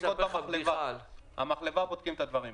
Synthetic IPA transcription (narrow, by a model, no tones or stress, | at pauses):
otamaχlevaha̰maχlevabod̪̚kimet̪ad̪vaʁim